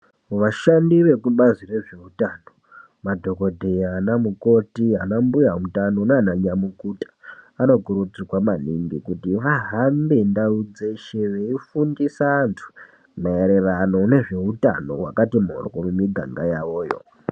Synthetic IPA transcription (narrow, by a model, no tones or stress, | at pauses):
mʋaʃandiʋe̞kuɓazire̞ʐe̞utano | madʱo̞ko̞dʱejanamuko̞tianambujamutano̞nanaɲamukutḁano̞kuɾud͡zikwamanḭŋɡikutiʋaɦambe̞ndaud͡ze̞ʃe̞ʋeifundisaːntʰu̥ | maeɾe̞rano̞ne̞ʐe̞uta̰no̞̰wa̰katimo̰rkomumiɡʱa̰ŋɡajaʋo̞ːjo̞̰